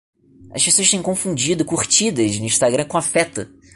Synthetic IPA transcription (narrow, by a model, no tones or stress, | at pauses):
ɐʃpesoɐʃt̪ẽj̃kõfũd͡ʒid̪ʊkuχt͡ʃid̪ɐznʊĩʃt̪aɡɾɐ̃kõafɛt̪ɐ